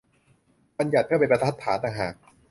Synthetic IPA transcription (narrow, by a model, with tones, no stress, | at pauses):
ba˧nja˨˩t̪̚ʰɯ˥˩pe˧npa˧˥aa˦˥t̪ʰːaː˩˦nt̪a˨˧ŋɦaː˨˩k̚